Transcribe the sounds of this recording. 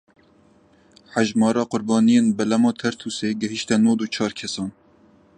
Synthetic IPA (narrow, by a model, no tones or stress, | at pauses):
ħæʒmɑːɾɑːqʊɾbɑːnijeːnbɛlɛmɑːt̪ʰɛɾt̪ʰuːseːɡɛɦiʃt̪ɛnoːd̪uːt͡ʃʰɑːɾkʰɛsɑːn